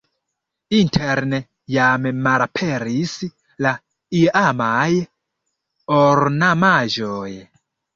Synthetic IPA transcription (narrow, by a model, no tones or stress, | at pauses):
intʰeɾne | jammaɾapʰeɾis | la | iamaj | oɾnamaʒoj